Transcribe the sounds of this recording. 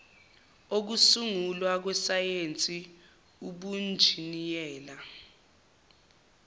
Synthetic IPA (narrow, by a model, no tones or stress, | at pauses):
ok̬usuŋulwak̬wɛsajent͡sʼi | uɓund͡ʒʱinijɛːla